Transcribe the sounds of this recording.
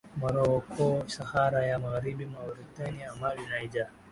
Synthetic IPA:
maɾɔɔkʰɔʃahaɾajamaɣaɾibimauɾit̪aniamabinaid͡ʒa

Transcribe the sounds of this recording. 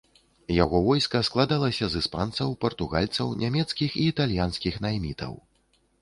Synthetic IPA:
jaɣɔvɔjskɐsklˠad̪alˠɐsʲɐzɨspant̪sɐwpɐrt̪uɣa̰lʲt̪sɐwnʲamʲɛt̪skʲixiːt̪alʲjanskʲixnajmʲit̪ɐ̰w

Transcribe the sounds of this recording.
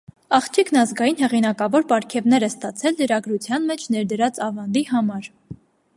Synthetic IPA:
ɑχt͡ʃʰikʰnɑzɡɑjinɦɛʁinɑkɑvɔɾpɑɾkʰɛvnɛɾɛst̪ɑt͡sʰɛlːəɾɑɡɾut͡sʰjɑnmɛt͡ʃʰnɛɾd̪əɾɑt͡sɑvɑnd̪iɦɑmɑɾ

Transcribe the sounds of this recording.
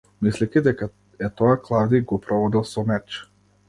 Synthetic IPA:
mislɛkʲid̪ɛka | ɛt̪ɔjaklˠavd̪iɡɔpɾɔvɔd̪ɛlˠsɔmɛt͡ʃ

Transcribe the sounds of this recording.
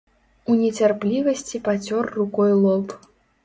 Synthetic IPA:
unʲɛt͡sʲarplʲivɐsʲt͡sʲipat͡sʲɔrːukɔjlˠɔp

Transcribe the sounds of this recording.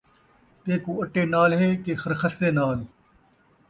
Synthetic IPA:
t̪eːkuːɐʈːeːnaːlɦeːkeːxɐɾxɐst̪eːnaːl

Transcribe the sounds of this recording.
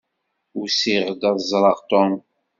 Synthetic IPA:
usiʁd̪ɑðzˤɾˤəʁt̪ɔn

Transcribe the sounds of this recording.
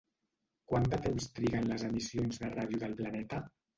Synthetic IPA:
kwand̪ət̪emst̪ɾiɣənləzəmisionzðərað̞juðəlˠplanɛt̪ə

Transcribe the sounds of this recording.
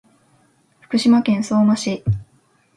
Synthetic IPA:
ɸɯ̥kɯ̟ɕimakẽ̞ɰ̃so̞ːmaɕi

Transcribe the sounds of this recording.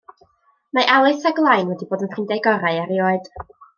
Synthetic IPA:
maʔawɨθaɡlˠajnwɛdiboːdənʰrɪndɛjɡɔɾaɨaɾioːɨd̥

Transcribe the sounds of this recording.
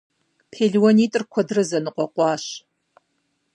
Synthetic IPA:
pʰeːɮwɔniːtʼɨrkʷʰɔdrɐzɐnɨqʷɔqʷɑːɕ

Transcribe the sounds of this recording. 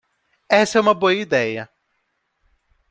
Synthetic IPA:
ɛsɐɛũmɐboɐid̪ɛjɐ

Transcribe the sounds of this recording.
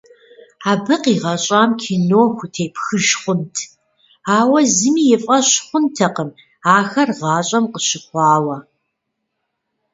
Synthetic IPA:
aːbɨqiːʁɐɕʼaːmkʰinoːxʷʊtʰeːpxɨʒχʷʊntʰ | aːwɐzɨmiːjɪfʼɐɕχʷʊntʰɐqəm | aːxɐrʁɑːɕʼɐmqəɕɪχʷɑːwɐ

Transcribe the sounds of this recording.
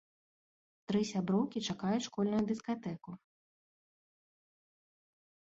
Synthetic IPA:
t̪ɾɨsʲabɾɔwkʲit͡ʂakajʊt͡sʲʂkɔlʲnujud̪ʲiskat̪ɛku

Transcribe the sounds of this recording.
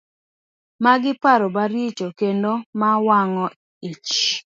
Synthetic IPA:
maɡɪpaɾobaɾit͡ʃokendomawaŋɔ | it͡ʃ

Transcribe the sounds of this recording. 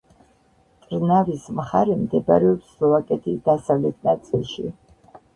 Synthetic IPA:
t̪ʼɾnavismχaɾɛmd̪ɛba̰ɾɛɔpslɔvakʼɛt̪ʰid̪̥asavlɛt̪ʰnat̪sʼilˠʃi

